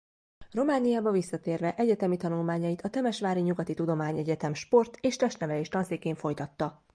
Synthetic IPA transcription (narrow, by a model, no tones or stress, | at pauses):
ro̞maːnijaːbɒvisːɒt̪eːrvɛʔɛɟɛt̪ɛmit̪ɒnulmaːɲɒjit̪ʰɒt̪ɛmɛʃʋaːɾiɲuɡɒt̪it̪ud̪o̞maːɲɛɟɛt̪ɛmʃpo̞rt̪eːʃt̪ɛʃt̪nɛvɛleːʃt̪ɒnseːkeːɱfo̞jt̪ɒt̪ːɒ